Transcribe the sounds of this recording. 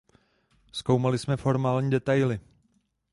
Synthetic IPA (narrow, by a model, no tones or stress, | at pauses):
skowmalɪsmɛfo̞ɾmaːlɲiːdɛt̪ajlɪ